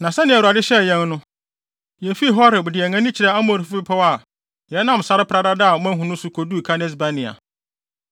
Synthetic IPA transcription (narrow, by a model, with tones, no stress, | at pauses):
nã˨sɛ˦nɪ̃˨ɛ˨u˨a˨dɪ˦ɕɛ˦˨jɛ̃˦nnʊ̃˦ | jɛ˨fi˦˨ɦɔ˦ɾɪ˨bʊ˨dɪ˨ɛ˨ŋã˦nɪ̃˦t͡ɕʰɪ˨ɾɛ˦a˦mõ˨ɾfbɪ˦pʰɛ˦wa˨ | jɛ˨˦nã˦˨m˨sa˦ɾɪ˦pʰɾa˦da˦da˦a˨mã˦ɦũ˨nʊ̃˦sʊ˦kʰo˨du˦˨kʰa˦nɛ˦s̬ba˦nɪ̃˨a̰˨